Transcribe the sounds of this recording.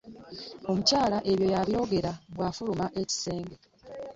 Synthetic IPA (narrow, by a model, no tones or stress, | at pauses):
o̞mucaːlaʔe̞βjo̞jaβjo̞ːɡe̞ɾaɡwaːfulumaʔe̞ci̥se̞ːŋɡe̞